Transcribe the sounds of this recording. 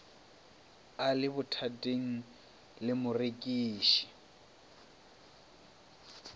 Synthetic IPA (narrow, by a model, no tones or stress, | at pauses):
alɪbʊtʰatʼeŋ̩ | lɪmʊrekʼiːʃi̥